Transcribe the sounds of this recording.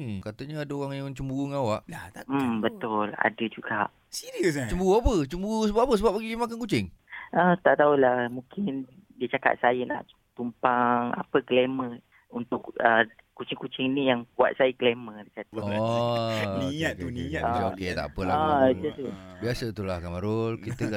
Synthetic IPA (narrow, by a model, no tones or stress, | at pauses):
kat̪əɲəadaoɣaŋjaŋt͡ʃəmbuɣuŋawaʔlaabət̪ʊla̰dəd͡ʒuɡaʔ | siɾiəs̬t͡ʃəmbuɣuapət͡ʃəmbuɣus̬əbapapəs̬əbap̚ːaɡidəmakankut͡ʃɪŋ | ʔət̪aʔt̪aulahmũkɪndiət͡ʃaka̰t̪̚sajəna̰ʔ | t̪umpaŋa̰pəklemə | unt̪ʊkə | kut͡ʃɪŋkut͡ʃɪŋnijaŋbua̰ʔ̪̚sajəklemədəkat̪əɔ | niɲat̪uniɲəokett̪a̰ʔpəlaət̪ət̪ubiasət̪ulahkamaɾʊlkit̪ək